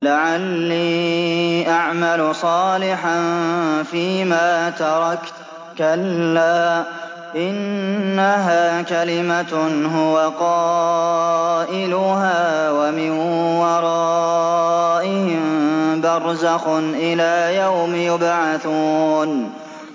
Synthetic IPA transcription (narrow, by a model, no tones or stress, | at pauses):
laʕalːiː | ʔaʕmalʊsˤɑːlɪħanfiːmaːt̪ɑɾˤɑkt̪ | kalːaː | ʔɪnːaɦaːkalɪmaɦʊwaqɑː | ʔɪlʊɦaːwamɪn | wɑɾˤɑ | ʔɪhmbɑɾˤzaxʊnʔɪlaːjawmjʊbʕaθuːn